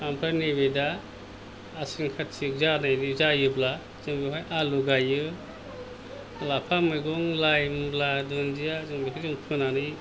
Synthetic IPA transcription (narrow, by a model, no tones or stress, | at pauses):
ampʰɾaniβedaː | siŋkʰatsik̚zanajdizajɯbla | zɯŋbiɦɔjʔaluɡajɯ | lapʰamɯɡɔŋlajmbladɔnzijazɯŋbikʰizuŋpʰɯnanɯ